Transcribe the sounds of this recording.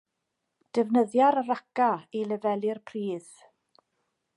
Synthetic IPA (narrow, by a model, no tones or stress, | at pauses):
d̥əvnəðjaɾərakailəvɛlˠɨrpʰriːð̥